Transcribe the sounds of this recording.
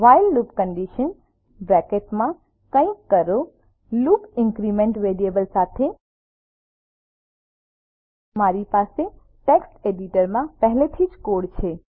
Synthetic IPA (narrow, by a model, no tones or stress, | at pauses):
ʋajlːupkəɳɖiʃən | bɾɛkeʈmã | kə̃ĩkːəɾo | lukɪŋkɾimẽɳʈʋeɾiebəlsat̪ʰe | maɾipase | ʈeksʈeɖiʈəɾmãpəɦlet̪ʰid͡ʒkoɽt͡ʃʰe